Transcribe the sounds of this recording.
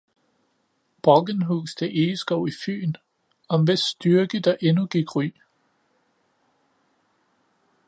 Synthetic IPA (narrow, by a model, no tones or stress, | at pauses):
b̥ʁɒɡ̥ənɦuːsd̥eʔeːsɡ̥ɔʊ̰ify̰ːn | ɒ̽mʋesːd̥yɐɡ̥əd̥ɑ̈ʔe̝nuɡ̥iɡ̥ʁy̰ː